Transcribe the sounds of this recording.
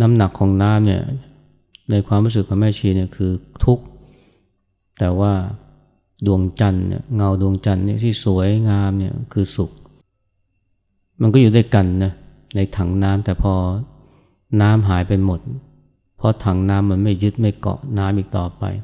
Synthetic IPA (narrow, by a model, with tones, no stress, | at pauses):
na˦˥mna˨˩kʰːɔː˩˦ŋnaː˦˥mni˥˩ɐ | na˧jkʰwaː˧mɾu˦˥s̬ɯ˨˩kʰːaː˩˧˦mɛː˥˩t͡ɕʰiː˧˩ni˥˩əkʰɯː˧t̪ʰu˦˥k̚ | t̪ɛː˨˩waː˥˩ | du˧əŋt͡ɕa˧nnḭ˥˩ŋa˧wdu˧əŋt͡ɕa˧nːi˥˩t̪ʰiː˥˩su˩˦əjŋaː˧˥mni˥˩ɐkʰɯː˧su˨˩k̚ | ma˧nkɔː˥˩juː˨˩da˥˩jka˧nːa˦˥ | na˧jt̪ʰa˨˩˦ŋnaː˦˥mt̪ɛː˨˩pʰɔː˧ | naː˦˥mɦaː˩˦jpa˧jmo˨˩t̪̚ | pʰɔ˧˥t̪ʰa˩˦ŋnaː˦˥mːa˧nma˥˩jːɯ˦˥t̪̚ma˥˩jkɔ̰˨˩ʔnaː˦˥mʔiː˨˩k̚t̪ɔː˨˩pa̰˧j